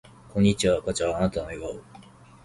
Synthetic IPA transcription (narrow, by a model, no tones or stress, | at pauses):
kʰõ̞ɲ̟ːit͡ɕiβakat͡ɕaaːnat̪anoeɡao